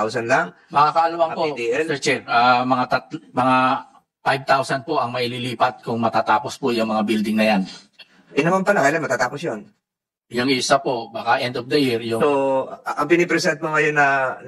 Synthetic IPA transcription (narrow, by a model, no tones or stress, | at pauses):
awsɐnlaŋ | mɐakɐʔɐlɐwaŋpod̪iɛlsɛt͡ʃɛɾʔamɐŋat̪ɐt̪mɐŋa | pajb̚t̪awsɐn̚po̞ʔɐŋmɐililiːpɐt̪̚kʊŋmɐt̪aːt̪aːpo̞spojʊŋmɐŋabild̪ɪŋnɐjan | ʔɪnɐmanpɐlakɐjlanmɐt̪aːt̪aːposjon | jʊŋʔɪsapo̞ʔbaːkaʔɛnd̪ofd̪ɐjɪɹjʊŋoʔɐŋpɪnipɾɛsɛnt̪̚moŋɐjonːɐ